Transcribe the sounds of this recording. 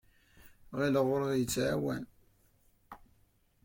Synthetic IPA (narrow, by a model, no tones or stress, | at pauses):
ʁiləʁʊɾəðjət͡sːʕawæn